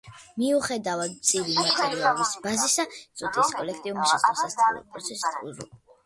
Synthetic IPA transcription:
miuχɛd̪avad̪t̪sʼivimat̪ʼɛɾiɔbisbazisasʼut̪ʰiskʼɔlɛkʰt̪ʼiumiʃasɔsast̪ʼḭlˠɔ̰pʼɾɔt̪sʰɛsi̥t̪ʰʼṵzṵlˠ

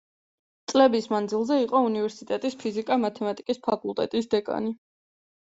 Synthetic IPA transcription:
t̪sʼlɛbismand̪zilˠzɛiqʼɔunivɛɾsit̪ʼɛt̪ʼispʰizikʼamat̪ʰɛmat̪ʼikʼispʰakʼulˠt̪ʼɛ̰t̪ʼisd̪ɛkʼa̰ni

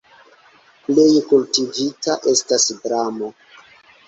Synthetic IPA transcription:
ple̞jkultivitaʔe̞stasdɾamo

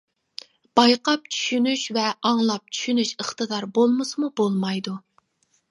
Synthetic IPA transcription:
b̥ɑjqɑp̚t͡ʃʰy̥ʃynyʃvɛʔɑŋlˠɑp̚t͡ʃʰy̥ʃynyʃəχt̪ɨd̪ɑɾbolˠmɨsmubolˠmɑjd̪u

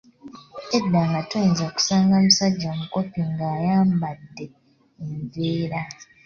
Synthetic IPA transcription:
edːaːŋɡatoinzaku̥saːŋɡamusaɟːamuko̞piŋɡaːjaːmbadːe̞ː | ɱveːɾa

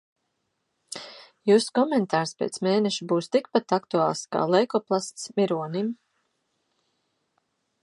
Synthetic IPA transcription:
juːskɔmɛnt̪aːɾspʲḛːt̪smeːnɛʃubuːst̪ik̚pat̪akt̪uaːlˠska̰ːlˠɛjkɔplˠast̪smʲiɾuɔnim

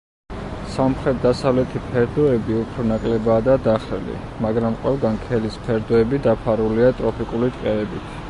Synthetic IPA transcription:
samχɾɛt̪̚d̪asavlɛt̪ʰipʰɛɾd̪ɔɛbiupʰɾɔnakʼlɛbaːd̪ad̪aχɛlḭ | maɡɾamqʼwɛlˠɡankʰɛlispʰɛɾd̪ɔɛbid̪apʰaɾuliat̪ʼɾɔpʰikʼulit̪ʼqʼɛɛbit̪ʰ

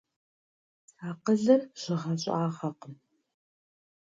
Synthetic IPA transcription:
aːqəɮɐrɕɪʁɐɕʼaːʁɐqəm

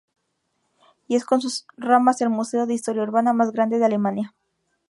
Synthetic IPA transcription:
iesko̞ns̬usramase̞lmuse̞oðeist̪o̞ɾjauɾβanamazɣɾand̪e̞ðeale̞manja

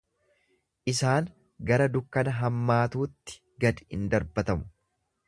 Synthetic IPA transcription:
ʔɪsaːŋ | ɡɐɾɐd̪ʊkːɐnɐɦɐmːaːt̪uːt̪ːɪ̥ | ɡɐd̪ɪɪnd̪ɐɾbɐt̪ɐmʊ̥

